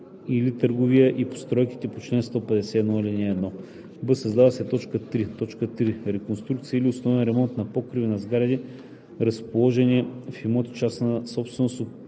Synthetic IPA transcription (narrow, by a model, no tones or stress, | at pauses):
ilit̪əɾɡovijəʔipo̥st̪ɾɔjki̥t̪ɛpot͡ʃlɛnst̪ɔpɛd̪ɛsɛːd̪nɔilʲinɛːd̪nɔ | bɤsɐzd̪avɐsɛt̪ɔt͡ʃkət̪ɾit̪ɔt͡ʃkət̪ɾiɾɛkonst̪ɾukt̪siəiliosnɔvɛnɾɛmɔnt̪nɐpɔkɾivinɐzɡaɾɐd̪i | ɾɐspolˠɔʒɛnifimɔt̪t͡ʃasnəsɔpst̪vɛnoso